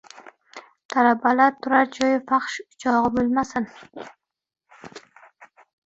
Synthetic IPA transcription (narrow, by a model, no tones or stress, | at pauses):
t̪ʰalabalaɾt̪ʰʊɾaɾd͡ʒɒjɪfɑχʃt͡ʃʰɒʁɨbʊlmasɪn